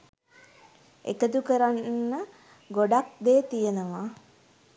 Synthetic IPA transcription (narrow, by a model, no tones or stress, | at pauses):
ḛkət̪ukəɾanːə | ɡoɖak̚d̪eːt̪ijənəʋa